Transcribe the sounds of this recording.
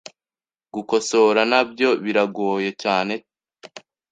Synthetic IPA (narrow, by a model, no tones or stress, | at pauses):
ɡuko̞so̞ɾanabjo̞βiɾaɡoːje̞caːne̞